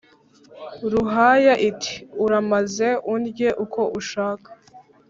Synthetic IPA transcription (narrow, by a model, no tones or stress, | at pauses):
ɾuɦajaʔitʰi̥uɾamaze̞ʔundɟeʔukʰo̞ʔuʃaːkḁ